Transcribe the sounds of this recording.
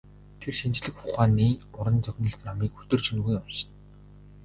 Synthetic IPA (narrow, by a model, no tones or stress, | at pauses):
t̪ʰerʃint͡ɕɮɘ̆kχʊχaːniːʊɾə̆nt͡sœɣʲnə̆ɬt̪namiːkɵt̪ɵ̆r̥t͡ɕʰɵnɣujamʃɪ̥̆n